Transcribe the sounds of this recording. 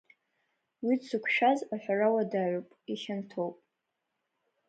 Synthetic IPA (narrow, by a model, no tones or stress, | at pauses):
wit͡sʰukʷʰʃᶣazaħʷᶣarawadaːʕʷʊpʼiʃantʰowpʼ